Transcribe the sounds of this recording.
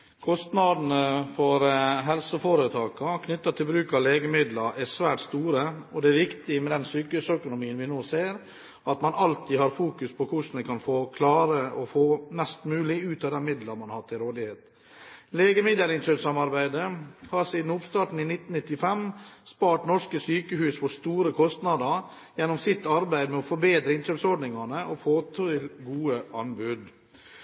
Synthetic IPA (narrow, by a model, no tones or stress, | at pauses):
kʰɔst̪nɑd̪n̩əfɔɾɦɛlsəfɔɾət̪ʰɑːkɑkʰnʏt̪ːɑt̪ʰɪlbɾʉːkɑleːɡəmɪd̪lɑɾʔæsʋæːʈst̪uːɾəɔd̪ɛæɾʋɪkt̪ɪmɛd̪ɛnsyːkəhʉsœkʊnʊmiːənʋɪnoːseːɾ | ɑt̪mɑnɑlt̪ʰiːhɑɾfuːkʉspʰɔkʰʊʂnɛkʰɑnfoːkʰlɑːɾəɔfoːmɛst̪mʉːlɪʉːt̪ɑːd̪ɛnmɪd̪ləɾmɑnhɑʈ̪ʰɪlɾoːd̪ɪheːt̪ | leːɡəmɪd̪əlɪnʃøːpsɑmɑɾbæɪd̪əhɑɾsiːd̪n̩ʊpst̪ɑːʈɳ̩inɪt̪ːnnɪt̪ːɪfɛmspɑːʈnɔʂkəsyːkəhʉːsfɔst̪uːɾəkʰɔst̪nɑd̪əɾ | jɛnːɔmsɪt̪ːɑɾbæɪd̪mɛɔfɔɾbeːd̪ɾəɪnʃøːpsɔɖɳɪŋɑnəʔɔfoːt̪ʰɪlɡuːəʔɑnbʉd̪